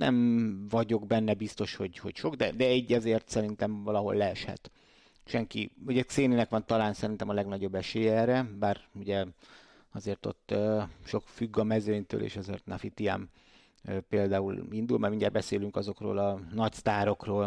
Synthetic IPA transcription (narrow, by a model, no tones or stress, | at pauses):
nɛ̰mvɒɟo̞ɡbɛnːɛbist̪o̞ʃho̞ɟho̞̰cʃo̞ɡd̪ɛd̪ɛɛɟːɛzeːrt̪sɛɾint̪ɛmvɒlɒɦo̞̰lːɛɛʃhɛ̰t̪ | ʃɛŋkḭuɟɛt̪seːninɛkʋɒnt̪ɒlaːnsɛɾint̪ɛmɒlɛɡnɒɟo̞bːɛʃeːjɛɛːrɛbaːruɟɛ | ɒzeːrt̪o̞̰t̪ːøʃo̞kfyɡːɒmɛzøːɲt̪ø̰ːlʔḛːʃɒzeːrt̪nɒfit̪ia̰m | peːld̪aːulind̪ulmɛjmiɲɟɛːɾbɛseːlyŋkɒzo̞kro̰ːlɒnɒcst̪aːɾo̞kroːl